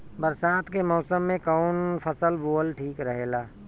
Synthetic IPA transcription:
bəɾsaːt̪kemɔːsəmːẽkɔʊnpʰəsəlboːlʈʰiːkɾəɦeːlaː

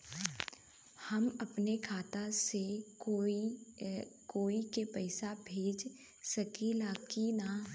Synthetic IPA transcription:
hɐmɐpnekʰaːt̪aseoi | koːikepɐɪsabʱeːd͡ʒ | sɐkilaːkina

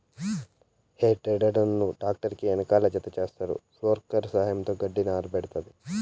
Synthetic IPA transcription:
heːʈɾeɖɐɖɐnːuɖaːk̚ʈɐɾkiɐnɐkaːlɐd͡ʒɐt̪ɐt͡ʃeːst̪ɐɾṵsʋoːɾkɐɾsaːjɐmt̪oːɡɐɖːinaːɾubeɽut̪ɐd̪i

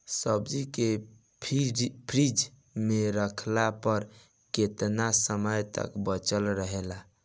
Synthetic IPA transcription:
səbd͡ʒike | pʰipʰɾid͡ʒ | meɾəkʰlapəɾ | ket̪nasəməjt̪ə̰kbət͡ʃəlɾəɦela

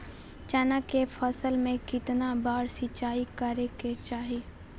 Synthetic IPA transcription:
t͡ʃanakefʰəsəlmẽkɪt̪nabaːɾsɪt͡ʃaːikaɾeket͡ʃaːɦi

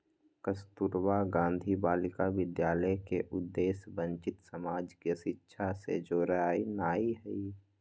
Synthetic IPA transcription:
kəst̪uɾwaɡãːnd̪ʱibaːlɪkaʋɪd̪jaːləkeʔʊd̪ːeːsbə̃ɲt͡ʃɪt̪səmaːd͡ʒkiəʃɪtːʃʰasḛd͡ʒoːɾəɦaːinaːiɦɛi

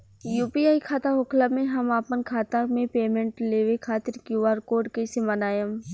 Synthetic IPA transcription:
juːpiaːikʰaːt̪aɦʊkʰlamẽɦɐmaːpənkʰaːt̪amẽpeːmẽɳʈleːʋekʰaːt̪ɪɾkjuʋaːɾkoːɾɖkesemɐnaːjəm

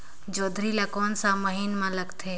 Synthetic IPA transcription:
d͡ʒoːd̪ʱɾilakɔːnsãməɦinmãləɡt̪ʰe

